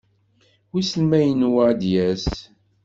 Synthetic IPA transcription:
wisəlmæjənwəd̪jæs

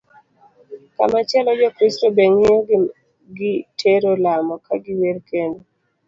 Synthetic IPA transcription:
ka̰mat͡ʃjɛlɔd͡ʒɔkɾɪstobeŋeɔɡ | ɡɪtʰeɾolamɔkʰaɡɪwelkendo

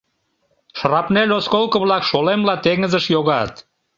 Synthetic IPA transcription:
ʃrɑpnelʲoskolˠkəβlɑkʃolemlɑt̪eŋəzəʃjoɣɑt̪

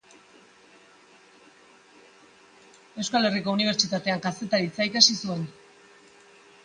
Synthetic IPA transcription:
e̞wskale̞riko̞uniβ̞e̞ɾt͡ʃit̪at̪e̞aŋkase̞t̪aɾit͡saikasisue̞n

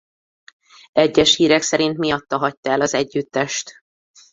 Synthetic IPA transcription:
ɛɟːɛʃhiːɾɛksɛɾin̪t̪mijɒt̪ːɒɦɒct̪ɒɛlɒzɛɟːyt̪ːɛʃt̪

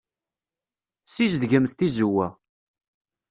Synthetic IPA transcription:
sizðʝəmθθizuwæ

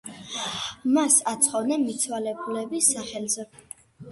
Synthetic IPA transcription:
masat̪sʰχɔvnɛnmit̪sʰwalɛbulɛbisaχɛlzɛ

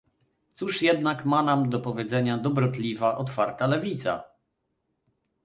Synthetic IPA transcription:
t̪suʂjɛd̪nakmanamd̪ɔpɔvʲjɛd̪zɛɲad̪ɔbɾɔt̪lʲivaʔɔt̪faɾt̪alɛvʲit̪sa̰

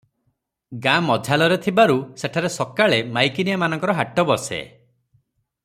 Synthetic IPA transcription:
ɡamɔd͡ʒʱalɔɾet̪ʰibaɾuseʈʰaɾesɔkaɭemajkinijamanɔ̃ŋkɔɾɔɦaʈɔbɔsḛ

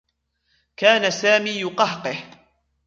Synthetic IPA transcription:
kaːnasaːmiːjʊqɑhqɨh

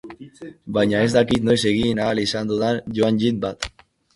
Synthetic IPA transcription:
bajɲae̞zd̪akit̪no̞jse̞ɣ̞inaːlisand̪uðanʝoand͡ʒit̪̚bat̪

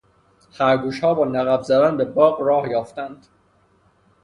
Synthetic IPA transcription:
hæɾɡuːʃhɒːbɒːnæɣæbzæd̪ænbe̞bɒːɡɾɒːhjɒːft̪ænd̪̥

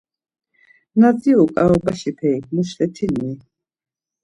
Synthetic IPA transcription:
naziɔkʼa̰ɔbaʃipʰɛik̚ʰmuʃlɛt̪ʰini

